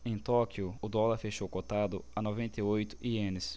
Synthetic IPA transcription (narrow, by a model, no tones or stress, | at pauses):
ẽj̃t̪ɔkjʊʊd̪ɔlɐɾfeʃowkot̪ad̪ʊɐnovẽnt̪eojt̪ʊ̥ʔiẽnɪs